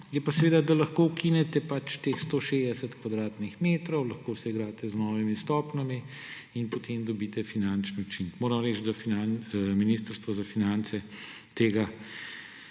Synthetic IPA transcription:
jɛpasɛʋeːd̪ad̪alɐxkoːwkinɛt̪ɛpat͡ʃt̪eːxst̪oːʃed̪ɛsɛt̪kʋad̪ɾaːt̪nixmeːt̪ɾɔwlɐxkoːsɛiɡɾaːt̪ɛznɔːʋimist̪ɔːpnami | inpot̪ʰeːmd̪ɔbiːt̪ɛfinant͡ʃnɔt͡ʃinkmoːɾɐmɾɛt͡ʃd̪afinanminist̪əɾst̪ʋɔzafinant̪sɛ | t̪eːɡa

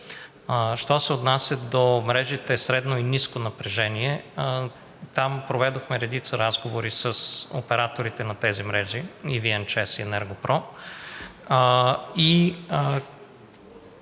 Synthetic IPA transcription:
ʃt̪ɔsɛot̪nasʲjəd̪omɾɛʒit̪ɛsɾɛd̪noiniskonɐpɾɛʒɛniɛ | t̪ampɾovɛd̪oxmɛɾɛd̪it̪səɾazɡovoɾisɐso̰pɛɾat̪oɾit̪ɛnɐt̪ɛzimɾɛʒiiviɛnt͡ʃɛsiɛnɛɾɡopɾɔ | i

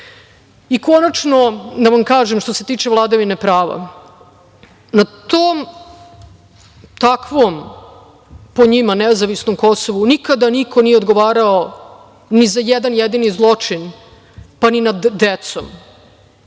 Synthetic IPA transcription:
iko̞nat͡ʂnod̪aʋamkaːʒemʃt̪o̞se̞t̪iːt͡ʂevlˠaːd̪aʋine̞pɾaːʋa̰ | nat̪oːm | t̪akʋom | po̞ɲimanezaʋisnomkosoʋunikad̪anikʰo̞nijeod̪ɡoʋaːɾao | nizajɛd̪anjed̪inizlˠo̞t͡ʂin | paninad̪ːet̪so̰m

